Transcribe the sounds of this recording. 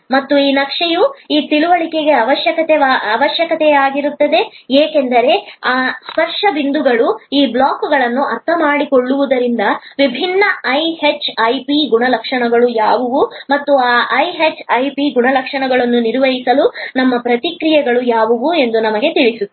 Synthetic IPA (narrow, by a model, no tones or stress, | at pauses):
mɐt̪ːuiːnɐkʂejuiːt̪iluʋɐɭike̞ɡe̞ɐʋɐʃjɐkɐt̪eʋaːɐʋɐʃjɐkɐt̪ɛjaːɡiɾut̪ːɐd̪e̞eːkend̪ɐɾe̞aːspɐɾʂɐbind̪uɡɐɭuiːblaːkːuɡɐɭɐnːuʔɐɾt̪ʰɐmaːɽiko̞ɭːuʋud̪ɐɾind̪ɐʋibʱinːɐɐjhet͡ʃɐjpiɡuɳɐlɐkʂɐɳɐɡɐɭujaːʋɐʋumɐt̪ːuaːʔɐjɦet͡ʃɐjpiɡuɳɐlɐkʂɐɳɐɡɐɭɐnːuniɾʋɐɦisɐlunɐmːɐpɾɐt̪ikɾijɛɡɐɭujaːʋɐʋue̞nd̪unɐmɐɡe̞t̪iɭisu